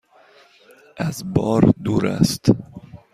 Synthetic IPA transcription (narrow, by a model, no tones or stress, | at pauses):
ʔæzbɒːɾd̪uːɾæ̰st̪